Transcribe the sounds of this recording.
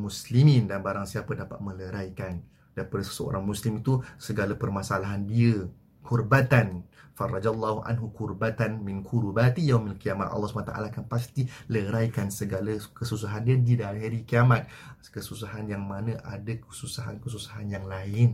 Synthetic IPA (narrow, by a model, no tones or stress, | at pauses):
muslimĩndanbaɾaŋsiapadapa̰t̪̚mə̃ləɾajkan | daɾipadasə̥səo̰ɾaŋmuslimit̪usəɡalapərmasalaɦandiə | kʰurbat̪anfarˤːɑd͡ʒalːahuʔa̰nɦukurbat̪anmɪ̃nkʰuɾubat̪ijawmilkiamat̪ɑ̰lːɑsu̥panat̪aʔa̰laːkanpast̪iləɾaikansəɡalakəsus̬aɦandiədidaɦiɾikiamat̪̚ | kəsusaɦanjaŋmãnə̃ʔadakəsusaɦa̰nkəs̬usḁɦanjaŋlaɪn